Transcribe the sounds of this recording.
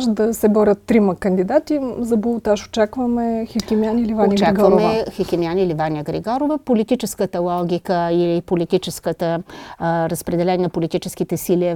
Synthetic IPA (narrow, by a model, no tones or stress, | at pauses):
ʃd̪ɐsɛbɔɾʲət̪ːɾimɐkənd̪id̪at̪izɐbolˠot̪aʃo̥t͡ʃakvəmɛxikʲimianilʲivanoit͡ʃaɡvvəɾomɛvxikʲimianilivanʲiəɡɾḭɡɔɾovəpolit̪it͡ʃɛskət̪əlˠɔɡʲikəilipolit̪it͡ʃɛskət̪ə | ɾəspɾɛd̪ɛlɛnʲɛəpolit̪it͡ʃɛsk̟it̪ɛsiliə